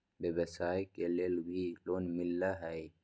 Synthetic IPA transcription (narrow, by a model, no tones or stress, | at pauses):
beːbəsaːjkeleːlbʱiloːnmɪlːaɦɛj